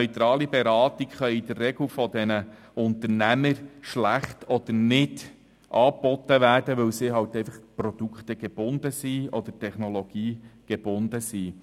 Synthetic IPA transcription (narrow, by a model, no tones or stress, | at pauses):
œʏt̪ɾɑːlibɛɾɑːt̪ikχœʏid̥̪ərːɛɡlfɔd̪ɛnə | ʊnt̪əɾnæməɾʃlæχt̪ʰɔd̪əɾnɪd | ʔɑːpːɔt̪ːəʋæːrd̥əʋɵwsiːɦɑwtɛɪfɑχpɾɔd̥ukχt̪əɡ̥eb̥ʊnd̪əsiːɔd̪ətʰɛχnɔlɔɡ̥iːɡ̥eb̥ʊnd̥̪əsiː